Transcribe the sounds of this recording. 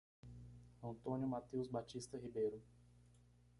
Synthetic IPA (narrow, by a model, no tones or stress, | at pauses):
ɐ̃nt̪õnjʊmat̪ewzbat͡ʃist̪ɐɦibejɾʊ